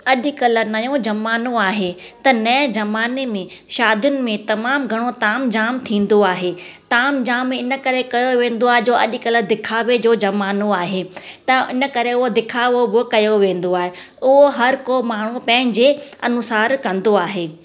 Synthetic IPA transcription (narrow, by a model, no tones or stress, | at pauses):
ɐʄʊ̆kɐlə̆nɐjõd͡ʑɐmaːnoaːɦet̪ɐnɐ̃d͡ʑɐmaːnemẽʃaːd̪jʊnɪ̆mẽt̪ɐmaːmɡʱɐɽ̃ot̪aːmd͡ʑaːmt̪ʰĩːnd̪oaːɦeːt̪aːmd͡ʑaːmɪnə̆kɐɾekɐjoʋẽːn̆d̪oaːɦed͡ʑoːɐ̰ʄkɐləd̪ɪkʰaːʋed͡ʑoːd͡ʑɐmaːnoaːɦeːt̪ɐɪ̰nə̆kɐɾeʊɦod̪ɪkʰaːʋobɪkɐjoʋẽːn̆d̪oaːɦe | ʊɦoɦɐɾkoːmaːɳ̤upɐ̃ɦɪ̃ɲd͡ʑeːɐ̰nʊsaːɾkɐ̃nd̪oaːɦeː